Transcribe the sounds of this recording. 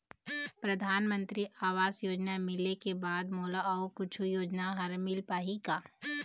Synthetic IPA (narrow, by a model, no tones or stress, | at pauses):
pɾɐd̪ʱaːnmə̃nt̪ɾiʔaːʋaːzjoːd͡ʒnamɪlekebaːd̪moːlaokʊt͡ʃʰujoːd͡ʒnaɦɐɾmɪlpaːɦikaː